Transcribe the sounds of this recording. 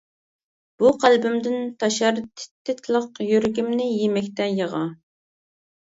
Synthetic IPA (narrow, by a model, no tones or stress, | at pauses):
b̥uqʰælbɪmd̪ɪnt̪ʰɑʃɑɾt̪ʰɪ̥t̪ʰːɪt̪ʰlˠəqjøɾɡʲimnɪjemɛkʲt̪ɛjəʁɑ